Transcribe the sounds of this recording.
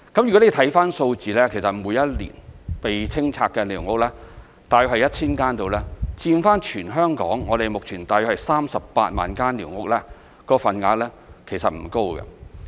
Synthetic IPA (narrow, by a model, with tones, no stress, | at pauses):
kɐ˨˥mjy˨˩ɔ˨˥e˨˧t̪ʰɐ˨˥jfaː˥nso˧wt͡siː˨˧lɛː˥kʰe˨˩jsɐ˨t̚muː˨˧jɐ˥t̚lḭː˨˩npe˨jt͡sʰɪ˥ŋt͡sʰaː˧kːɛ˧liː˨˩wŋʊ˨˥k̚lɛː˥ | t̪aː˨˧jœ˨˥khɐ˨jɐ˥t̚t͡sʰiː˥nkaː˥nt̪o˨˧wlɛː˥t͡siː˧nfaː˥nt͡ʃʰyː˨˩nɦœː˥ŋkɔ̰ː˨˥ŋːŋɔː˨˧ɾe˨jmʊ˨k̚t͡ʃʰyː˨˩nt̪aː˨˧jœ˧k̚hɐ˨jsaː˥msɐ˨ppa̰ː˧t̚ma̰ː˨nkaː˥nliː˨˩wŋʊ˨˥k̚lɛː˥ | kɔː˨˥fɐ˨˧nŋaː˧t̚lɛː˥ | kʰe˨˩jsɐ˨t̚m̩˨˩ko˥wɡɛ̰˧